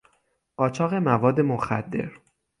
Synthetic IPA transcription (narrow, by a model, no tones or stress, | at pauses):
ɢɒːt͡ʃʰɒːɣe̞mævɒːd̪ːemoxæ̰d̪ːe̞̰ɾ